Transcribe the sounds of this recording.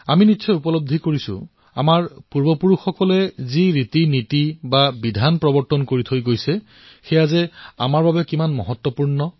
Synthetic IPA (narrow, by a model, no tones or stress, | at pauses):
aminitːsʰɔjupɔlob̚d̪ʱikoɹisʊ̰̃ | a̰maɹpuɹbɔpuɹuxːɔkɔlɛziɹitinitibabidʱanpɹɔbɔɹtɔnkoɹitʰojɡojsɛ | xɛjazɛa̰maɹbabɛkimanmɔɦɔtːwɔpuɹnɔ